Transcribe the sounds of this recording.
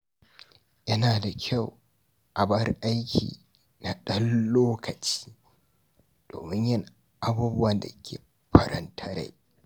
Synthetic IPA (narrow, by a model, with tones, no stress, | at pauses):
jɐ˦naː˨da˨kʲʰa˦˨w | ʔa˨bɐ˦rʔa˦jkʲḭː˨ | na˨ɗɐ˦nːoː˦kʰɐ˨t͡ʃi̥ː˦ | d̥o̰ː˨mɪ˦ɲjɪ˦˨ŋ | ʔa˦buː˦bʊ˦wɐ˨nda̰˨˦kʲʰḛː˨ | ɸʰɐ˨ɾɐ̰˦ntʰɐ˦ɾḛ˨